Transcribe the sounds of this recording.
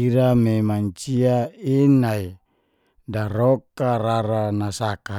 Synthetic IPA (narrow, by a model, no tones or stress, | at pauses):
iɾamemaɲt͡ʃiainai | daɾokaɾaɾanasaka